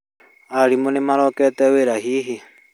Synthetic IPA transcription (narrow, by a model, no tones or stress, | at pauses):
aɾimonemaɾɔkɛtɛweɾaɦiːɦi